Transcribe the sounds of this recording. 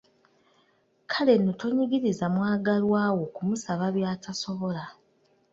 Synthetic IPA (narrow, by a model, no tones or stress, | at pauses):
kʰale̞noto̞ɲiɡiɾizamwaːɡalwaːwo̞kumusaβaβjaːtʰaso̞βo̞la